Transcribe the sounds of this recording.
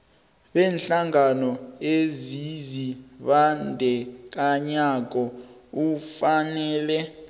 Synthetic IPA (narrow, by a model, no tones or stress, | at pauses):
ɓɛːnɬaŋanɔeziziɓandʱɛk̬ʼaɲak̬ʼɔufanɛːlɛ